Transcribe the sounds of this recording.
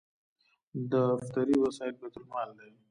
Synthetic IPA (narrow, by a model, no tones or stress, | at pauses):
d̪əft̪aɾiwasɑɪlbet̪ʊlmɑld̪awi